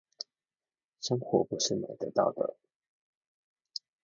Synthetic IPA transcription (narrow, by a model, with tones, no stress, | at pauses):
ʂɤ˥ŋxwɔ̰˧˥pu˨˧˥ʂɻ̩˥˩mḛ˨˥ɪt̪ə̰˧˦t̪ɑ̰˥˩ʊd̪ə̰˩